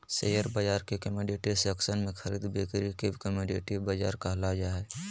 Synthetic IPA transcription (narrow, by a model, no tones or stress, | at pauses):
sḛːjəɾbəd͡ʒaːɾkekəmeːɖeʈiseəksənmẽxʰəɾiːd̪beːkɾikekəmeɖeʈibɐd͡ʒa̰ːɾkaɦlad͡ʒaːɦɛː